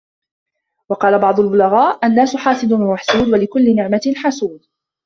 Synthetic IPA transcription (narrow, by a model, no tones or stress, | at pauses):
wɑqɑːlabɑʕd̪ˤʊlbʊlaɣaːʔʔanːaːsʊħɑːsɨd̪ɪmaħsuːd̪walɪkʊlːɪnɪʕmanħasuːd̪̚